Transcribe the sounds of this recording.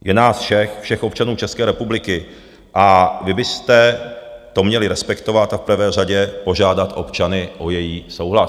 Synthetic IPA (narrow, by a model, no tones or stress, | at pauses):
jɛnaːsfʃɛxfʃɛxʔop̚t͡ʃanuːt͡ʃɛskɛːɾɛpublɪkɪ | ʔavɪbɪst̪ɛt̪o̞mɲɛlɪɾɛspɛkt̪o̞vat̪afpr̩vɛːr̝aɟɛpo̞ʒaːdat̪ʔo̞̰pt͡ʃanɪʔo̞jɛjiːso̞wɦla